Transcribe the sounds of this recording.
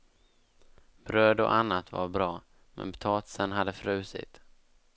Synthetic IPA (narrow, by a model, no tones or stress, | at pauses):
b̥ɾøːd̪ɔ̰ʔanːat̪va̰ɾbɾɑː | mɛ̰npʰt̪ʰɑːt̪sənɦad̪ːəfɾʉ̟ːsɪ̰t̪